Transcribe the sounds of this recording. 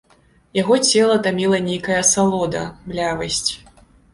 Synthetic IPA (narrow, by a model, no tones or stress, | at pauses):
jaɣɔt͡sʲɛlˠɐt̪amʲilˠɐnʲejkɐjɐsalˠɔd̪ɐ̰mlʲavɐsʲt͡sʲ